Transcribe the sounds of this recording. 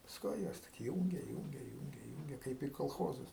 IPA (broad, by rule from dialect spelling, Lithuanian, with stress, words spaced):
pɐsˈkʊɪ ˈjɛs tʲɪk ˈjuːŋʲɡʲɛ ˈjuːŋʲɡʲɛ ˈjuːŋʲɡʲɛ ˈjuːŋʲɡʲɛ ˈkɐɪp iː koːlˠˈxoːzʊs